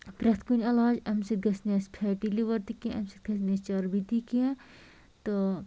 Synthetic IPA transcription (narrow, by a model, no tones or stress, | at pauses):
pɾɐt̪ʰkunʲɐlaːd͡ʒɐmsit̪̚ɡɐsneːspʰeːʈiliʋɐɾt̪ikiẽʔɐmsit̪̚ɡɐsneːst͡ʃɐɾbit̪ikiẽ | t̪o